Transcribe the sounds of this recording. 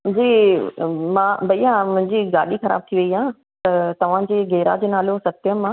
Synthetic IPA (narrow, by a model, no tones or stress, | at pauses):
d͡ʑiː | mãːbʱɐiːãmʊ̃ɦɪ̃ɲd͡ʑiɡa̰ːɗixɐɾa̰ːb̚t̪ʰiʋɐiãː | t̪ɐt̪ɐʋ̤ãd͡ʑeːɡeːɾa̰d͡ʑeːnaːlosɐt̪jəmãː